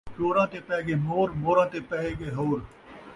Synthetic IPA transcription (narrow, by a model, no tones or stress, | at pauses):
t͡ʃoːɾãːt̪eːpɛːɡeːmoːɾmoːɾãːt̪eːpɛːeːɠeːɦoːɾ